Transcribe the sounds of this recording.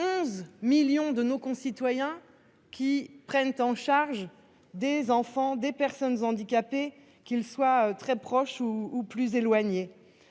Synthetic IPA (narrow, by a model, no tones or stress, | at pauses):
ɔ̃zmiljɔ̃d̪ənokɔ̃sit̪wajɛ̃ | kʲipχɛnt̪ɑ̃ʃaʁʒ | d̪ezɑ̃fɑ̃d̪epɛʁsɔnzɑ̃d̪ikʲape | kʲilswaøt̪χɛpχɔʃuːplyzelwaɲe